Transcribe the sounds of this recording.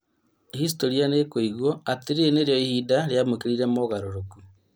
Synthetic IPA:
his̬toɾianekoiɣwɔateɾeneɾjɔihidaɾjamokeɾiɾɛmoɣaɾoɾoku

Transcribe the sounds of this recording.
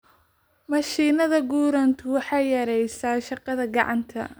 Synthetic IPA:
mɐʃiːnɐðɐɡuːɾɐnt̪ʰʊwɑħɑjjɐɾɛjsaːʃɑqɑðɐɡɑʕɑ̰nt̪ʰɐ̰

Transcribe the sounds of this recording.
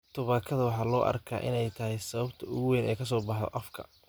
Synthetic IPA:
t̪ʰʊβaːkʰɐðɐwɑħɑːlɔːʔɐ̰rkʰa̰ːʔɪ̰nɛjt̪ʰɐɦɛjsɐβɐbt̪ʰɐʊɣʊwɛːnɛ̰ːkʰɐs̬ɔːbɑħðɔ̰ʔɐfkʰɐ̰

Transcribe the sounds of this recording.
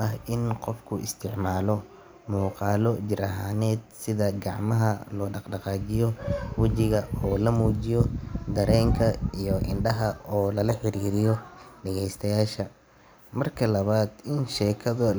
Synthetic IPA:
ɐɦɪnqɔfkʰʊɪ̰st̪ʰɪʕmaːlɔ | muːqɑːlɔd͡ʒɪɾɐɦaːnɛːd̪̚sɪðɐɡɑʕmɐɦɐlɔːɖɑqɖɑqɑːt͡ʃɪjɔwɐt͡ʃɪɣɐɔːlɐmuːd͡ʒɪjɔd̪ɐɾɛːŋkʰɐijɔʔɪ̰nɖɐɦɐɔːlɐlɐħɪɾiːɾɪjɔɖɐɣɛjst̪ʰɐjaːʃɐ | mɐrkʰɐlɐβaːd̪ɪnʃɛːkʰɐðʊ

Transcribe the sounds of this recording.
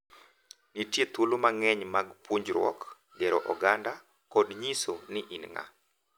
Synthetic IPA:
nitjet̪ulomaŋɛɲmaɡpuɲd͡ʒɾwɔ̰k | ɡɛɾɔ̰ʔɔɡanda | kɔdɲisonɪʔinŋa̰

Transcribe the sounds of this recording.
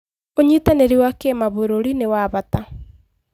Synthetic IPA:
oɲitaneɾiwakemaβoɾoɾinewaβata

